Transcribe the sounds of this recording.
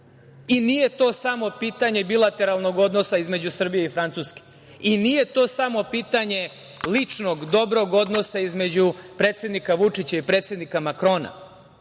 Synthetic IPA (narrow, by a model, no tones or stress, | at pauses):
inije̞t̪o̞ːsamo̞piːt̪aɲe̞bilˠat̪e̞ɾalˠno̞ɡo̞d̪no̞saizme̞d͡ʑusr̩bijeifɾant̪suske̥ | inije̞t̪o̞ːsamo̞piːt̪aɲe̞ | lit͡ʂno̞ɡd̪o̞bɾo̞ɡo̞d̪no̞saizme̞d͡ʑupɾe̞t̪sʲe̞d̪nikaʋut͡ʂit͡ɕaipɾe̞ːt̪sje̞d̪nikamakɾo̞ːna̰